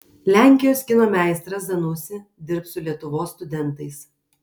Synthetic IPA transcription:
lʲæˑŋʲkʲɪjoːsʲɡʲɪnoːmʲæˑɪst̪ɾɐsd̪ɐnʊsʲɪd̪ʲɪɾpsʊlʲiɛt̪ʊʋoːsːt̪ʊd̪ʲɛnˑt̪ɐɪs

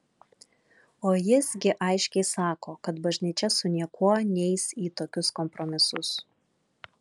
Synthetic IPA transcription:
oːjɪsɡʲɪʔɐɪʃʲkʲɛɪsɑːkoːkɐt̪bɐʒʲnʲiːt͡ʃʲɛsʊnʲiɛkuɔnʲɛɪsiːt̪oːkʲʊskɔmpɾɔmʲɪsʊs

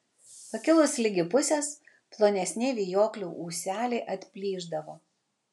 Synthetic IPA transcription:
pɐkʲɪlˠʊslʲɪɡʲɪpʊsʲes | plˠoːnʲɛsʲnʲɪʋʲiːjoːklʲuːʔuːsʲæːlʲeɪʔɐt̪ʲpʲlʲiːʒd̪ɐʋoː

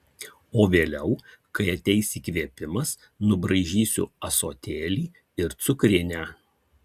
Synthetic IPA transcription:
oːʋʲeːlʲɛʊ | kɐɪɐt̪ʲɛɪsʲiːkʋʲiɛpʲɪmɐs | nʊbɾɐɪʒʲiːsʲʊ̰ɐsoːt̪ʲeːlʲiː | ɪɾt̪sʊkɾʲɪnʲæː

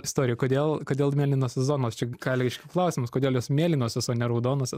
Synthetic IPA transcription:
ɪst̪oːɾʲɪjɛkoːd̪ʲeːlˠkoːd̪ʲeːlˠmʲeɛlʲɪnoːsʲsʲɛzoːnoːst͡ʃʲɛɡɑːlʲɡʲɪʃʲkʲɪklˠɐʊsʲɪmʊskoːd̪ʲeːlˠjoːsmʲeɛlʲɪnoːsʲɛsoːnʲɛɾɐʊd̪oːnoːsʲ

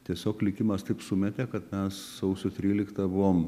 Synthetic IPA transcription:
t̪ʲiɛsʲoːklʲɪkʲɪmɐst̪ɐɪpsʊmʲɛt̪ʲekɐt̪mʲɛssɐʊsʲʊt̪ʲɾʲiːlʲɪkt̪ɐbʊʋoːm

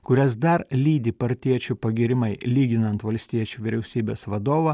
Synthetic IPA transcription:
kʊɾʲɛsd̪ɐɾlʲiːd̪ʲiːpɐɾʲt̪ʲiɛt͡ʃʲupɐɡʲɪɾʲɪmɐɪlʲiːɡʲɪnɐnt̪ʋɐlʲsʲt̪ʲiɛt͡ʃʲuːʋʲɪɾʲɛʊsʲiːbʲeːsʋɐd̪oːʋɐ

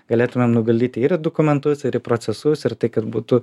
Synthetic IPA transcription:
ɡɐlʲeːt̪ʊmʲemnʊɡɐlʲd̪ʲiːt̪ʲɪɪɾd̪oːkʊmʲɛnt̪ʊsɪɾɪpɾoːsʲɛsʊsɪɾt̪ɐɪkɐt̪buːt̪ʊ

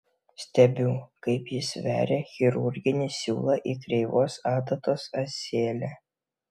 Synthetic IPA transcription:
sʲt̪ʲɛbʲuːkɐɪpjɪsʋʲæ̰ːɾʲexʲɪɾʊɾʲɡʲɪnʲɪsʲṵːlˠɐʔiːkɾʲɛɪʋoːsɑːt̪ɐt̪oːsɐsʲeːlʲæ

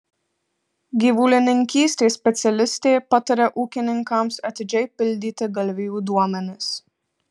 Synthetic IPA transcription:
ɡʲiːʋuːlʲɪnʲɪŋʲkʲiːsʲt̪ʲeːsʲpʲɛt̪sʲɛlʲɪsʲt̪ʲeːpɐt̪ɐɾʲɛʔuːkʲɪnʲɪŋkɐmsɐt̪ʲɪd͡ʒʲɛɪpʲɪlʲd̪ʲiːt̪ʲɪɡɐlʲʋʲɪjuːd̪uɔmʲɛnʲɪs

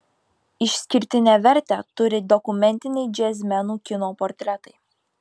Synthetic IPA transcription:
ɪʃʲsʲkʲɪɾʲt̪ʲɪnʲæʋʲɛɾʲt̪ʲæt̪ʊɾʲɪd̪ɔkʊmʲɛnʲt̪ʲɪnʲɛɪd͡ʒʲɛːzʲmʲɛnuːkʲɪnoːpɔɾʲt̪ʲɾʲɛt̪ɐɪ

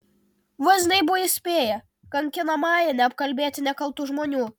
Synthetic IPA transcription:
ʋɐzʲnʲɐɪbuʋɐisʲpʲeːjɛ | kɐŋʲkʲɪnɐmɑːjɛnʲɛɐpkɐlʲbʲeːt̪ʲɪnʲɛkɐlˠt̪uːʒmoːnʲuː

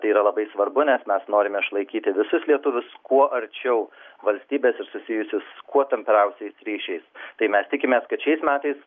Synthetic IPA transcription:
t̪ɐɪiːɾɐlˠɐbɐɪsʋɐɾbʊnʲɛsmʲɛsnoːɾʲɪmʲɛɪʃlˠɐɪkʲiːt̪ʲɪʋʲɪsʊslʲiɛt̪ʊʋʲʊskuɔʔɐɾʲt͡ʃʲɛʊʋɐlʲsʲt̪ʲiːbʲeːsɪɾsʊsʲɪjʊsʲɪskuɔt̪ʲɛmʲpʲɛɾʲɛʊsʲɛɪsɾʲiːʃʲɛɪst̪ɐɪmʲɛst̪ʲɪkʲɪmʲeːskɐt̪ʃʲɛɪsmʲæːt̪ɐɪs

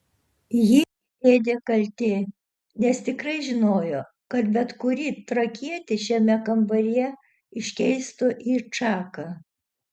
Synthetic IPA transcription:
jɪ | eːd̪ʲeːkɐlʲt̪ʲeː | nʲɛst̪ʲɪkɾɐɪʒʲɪnoːjoː | kɐt̪bʲɛt̪kʊɾʲiːt̪ɾɐkʲiɛt̪ʲɪʃʲɛmʲɛkɐmbɐɾʲijɛ | ɪʃʲkʲɛɪst̪ʊʔit͡ʃɑːkɐ

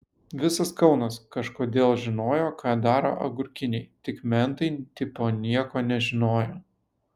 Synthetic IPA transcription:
ʋʲɪsɐskɒʊnɐskɐʃkoːd̪ʲeːlˠʒʲɪnoːjoːkɑːd̪ɑːɾo̰ːʔɐɡʊɾʲkʲɪnʲɛɪt̪ʲɪkmʲɛnt̪ɐɪt̪ʲɪpoːnʲiɛkoːnʲɛʒʲɪnoːjoː

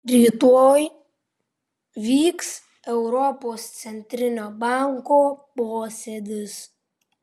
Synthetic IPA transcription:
ɾʲiːt̪oːj | ʋʲiːks | ɛʊɾɔpoːst̪sʲɛnʲt̪ʲɾʲɪnʲoːbɑŋkoːpoːsʲɛd̪ʲɪs

